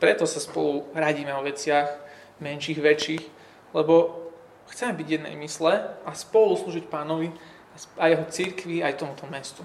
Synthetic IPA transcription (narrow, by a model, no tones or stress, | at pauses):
pɾɛt̪ɔsaspɔluɾaɟiːmɛɔʋɛt͡sɪaɣ | mɛnʃiːɣʋɛt͡ʃiːx | lɛbɔ | xt͡sɛmɛbiɟjɛd̪nɛ̰jmislɛaspɔlusluːʒicpaːnɔʋi | aajɛɦɔt͡siɾkʋiajt̪ɔmut̪ɔmɛst̪u